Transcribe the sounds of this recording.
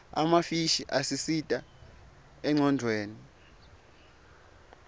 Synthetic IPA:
a̰mafiʃiʔasisitʼa | ɛŋ͡ǀɔndʱweːni

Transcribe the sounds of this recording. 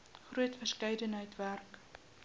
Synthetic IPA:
χruətfərskɛjdənɦəjtværk

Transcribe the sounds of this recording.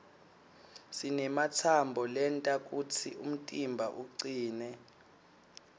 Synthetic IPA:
sinɛmat͡sʰambʱɔlɛntʼak̬ʼut͡sʰiʔum̩tʼimbʱaʔuǀiːnɛ

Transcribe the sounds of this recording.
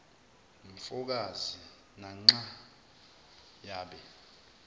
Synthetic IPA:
ɱfuk̬azi | naŋ͡ǀa | jaːɓɛ

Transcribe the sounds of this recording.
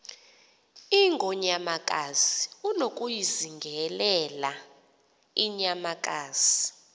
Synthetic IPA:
iŋɡʱɔɲamakʼaziunokʼujiziŋɡʱɛlɛla | iɲamak̬ʼaːz̥i

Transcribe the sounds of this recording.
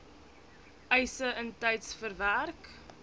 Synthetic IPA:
əjsəəntɛjtsfərværk

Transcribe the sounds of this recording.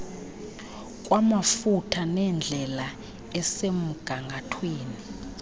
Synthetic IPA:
kʼwamafutʰanɛnd͡ɮʱɛla | ɛsem̩ɡ̥ʱaŋɡʱatʰweːni

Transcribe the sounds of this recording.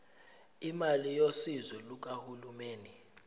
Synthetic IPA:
imalijosizɛluk̬ʼahulumeːni

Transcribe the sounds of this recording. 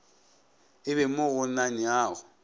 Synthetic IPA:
ɪβɛmʊɣʊnaɲɪaːɣʊ

